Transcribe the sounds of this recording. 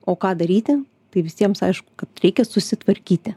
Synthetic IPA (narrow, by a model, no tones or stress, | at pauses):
oːkɑːd̪ɐɾʲiːt̪ʲɪ | t̪ɐɪʋʲɪsʲiɛmsɐɪʃkʊ̥kɐt̪ɾʲɛɪkʲɛsʊsʲɪt̪ʋɐɾʲkʲiːt̪ʲɪ